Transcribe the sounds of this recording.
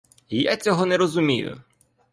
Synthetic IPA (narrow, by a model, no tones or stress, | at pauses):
ijat͡sʲɔɦɔnɛɾɔzʊmʲijʊ̰